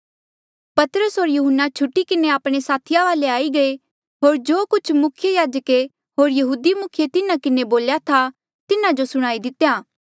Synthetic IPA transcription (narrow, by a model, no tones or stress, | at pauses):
pɐt̪ɾəsɦoːɾjuɦənːat͡ʃʰʊʈːikɪneaːpɽ̃esaːt̪ʰɪjaʋaːleaːiɡɐe | ɦoːɾd͡ʒoːkʊt͡ʃʰmʊkʰjejaːd͡ʒəke | ɦoːɾjɐɦuːd̪imʊkʰjet̪ɪnakɪneboːljat̪ʰa | t̪ɪnãd͡ʒosʊɽ̃aːid̪ɪt̪ejaː